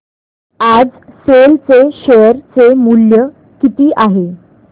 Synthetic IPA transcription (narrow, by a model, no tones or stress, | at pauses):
ad͡zselt͡seɕeəɾt͡semuljə | kit̪iːʔaɦe